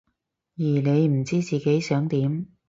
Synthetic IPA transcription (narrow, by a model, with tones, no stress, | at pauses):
jiː˨˩ne˨˧jm̩˨˩t͡siː˥t͡siː˨ke˨˥jsœː˨˥ŋt̪iː˨˥m